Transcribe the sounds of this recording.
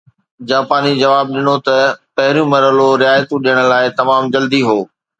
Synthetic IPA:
d͡ʑaːpaːnid͡ʑɐʋaːb̚ɗɪnot̪ɐpɐɦɪɾijũmɐɾəloɾɪjaːjt̪ũɗɪjəɽ̃̆laːɪt̪ɐmaːmd͡ʑɐld̪iɦoː

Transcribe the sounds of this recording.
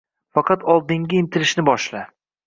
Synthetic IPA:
fɑqʰɑt̪ʰɒlˠd̪ɪŋɡʲaɪnt̪ʰɪɾɪʃnɪbɒʃla

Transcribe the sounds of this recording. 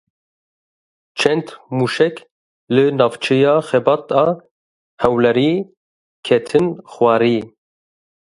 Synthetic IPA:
t͡ʃʰɛnd̪muːʃɛk | lɨnɑːvt͡ʃʰɛjɑːxɛbɑːt̪ɑː | hɛwlɛɾiː | kʰɛt̪ʰɨnxwɑːɾiː

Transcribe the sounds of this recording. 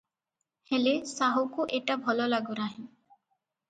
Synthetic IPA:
helesaɦukuʔeʈabʱɔlɔlaɡuɾaɦĩ

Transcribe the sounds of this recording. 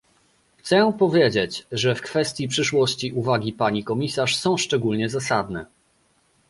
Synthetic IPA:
xt̪sɛpɔvʲjed͡ʑet͡ɕʐɛfkfɛst̪ʲjipʂɘʂwɔɕt͡ɕiʔuvaɡʲipaɲikɔmʲisaʂsɔ̃w̃ʂt͡ʂɛɡulɲɛzasad̪nɛ̰

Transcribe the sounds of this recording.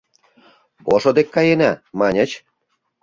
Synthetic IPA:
poʃŏd̪ekːɑjenæmɑnʲə̆t͡ɕ

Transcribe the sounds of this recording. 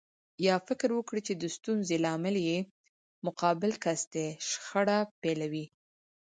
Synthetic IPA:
jɑfɪkɾwəkɽit͡ʃed̪əst̪unzelɑmɪlje | mʊqɑbɪlkasd̪eʃxəɽapelawi

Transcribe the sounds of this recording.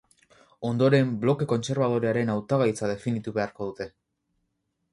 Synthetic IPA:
o̞nd̪o̞ɾe̞mblo̞ke̞ko̞nt͡se̞ɾβaðo̞ɾeaɾe̞nawt̪aɣajt͡sað̞e̞finit̪uβe̞aɾko̞ð̞ut̪e̞

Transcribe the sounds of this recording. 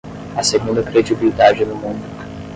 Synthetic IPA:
aseɡũnd̪ɐkɾed͡ʒibilid̪ad͡ʒɪnʊmũnd̪ʊ

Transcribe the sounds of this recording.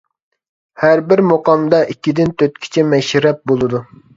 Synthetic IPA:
hæɾbɪɾmoqɑmd̪ɑʔikʲːid̪ɪnt̪ʰøt̪̚kʲʰi̥t͡ʃʰɛmɛʃɾɛp̚bolˠɨd̪u

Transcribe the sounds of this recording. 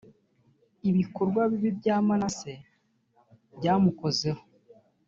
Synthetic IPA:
iβiko̞ɾɡwaβiβibɟaːmanase̞ | bɟaːmuko̞zeho

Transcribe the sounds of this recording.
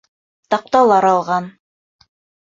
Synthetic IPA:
t̪ɑq̚t̪ɑlˠɑɾɑlˠʁɑn

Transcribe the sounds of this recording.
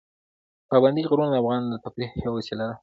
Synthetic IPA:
pɑband̪iɣɾund̪afɣɑnd̪ət̪apɾixjawasilad̪a

